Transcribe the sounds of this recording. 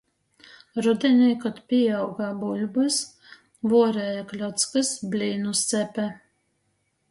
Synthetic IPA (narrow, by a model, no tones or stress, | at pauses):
ɾud̪ʲɛnʲɛjkɔt̪pʲiawɡaːbulʲbɨs | vuɔɾɛːjaklʲɔt̪skɨsbʲlʲiːnust̪sʲæpʲæ